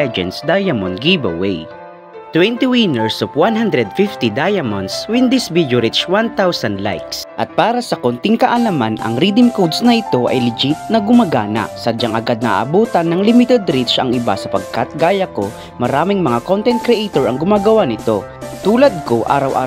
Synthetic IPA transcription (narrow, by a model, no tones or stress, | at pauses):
ɛd͡ʒɛ̰nsd̪ajɐmonɡibɐ̰wɛ̰j | t̪wɛnt̪iwinɛɹsovwanɦand̪ɾɛd̪̚fɪft̪id̪ajɐmɔnswɪnd̪ɪsbid͡ʒʊɾɪt͡ʃwant̪awsɐnd̪la̰jksʔɐt̪̚paːɾɐsɐkont̪ɪŋkɐʔɐlamanɐ̰ŋɾid̪ɪmkowd̪snɐʔɪt̪o̞ʔɐ̰jlɪd͡ʒit̪̚nɐɡʊmaɡaːnɐ̰ʔsɐd͡ʒɐŋʔɐɡad̪̚nɐʔa̰ʔɐ̰buːt̪ɐnːɐŋlɪmɪt̪ɛd̪ɾit̪t͡ʃʔɐŋʔɪba̰sɐpɐɡ̚kat̪̚ɡaːjɐko̞ | mɐɾaːmɪŋmɐŋakont̪ɛnt̪̚kɾɛʔejt̪oɹɐŋɡʊmaːɡɐwanɪt̪o̞ | t̪uːlɐd̪̚ko̞ʔa̰ːɾɐwʔa̰ː